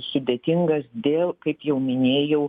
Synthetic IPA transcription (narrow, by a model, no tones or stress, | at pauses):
sʊd̪ʲeːt̪ʲɪŋɡɐsd̪ʲeːlˠkɐɪpjɛʊmʲɪnʲeːjɛʊ